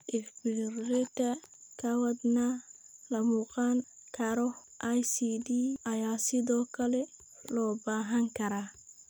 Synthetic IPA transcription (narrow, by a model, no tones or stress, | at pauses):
ʔɪfbɪrɛt̪ɐkʰɐwɐd̪nalɐmuːqɑn | kʰɐɾɔ | ʔajsiːd̪iːɐjaːsɪðɔːkʰɐlɛ | lɔːbaːɦɐŋkʰɐɾaː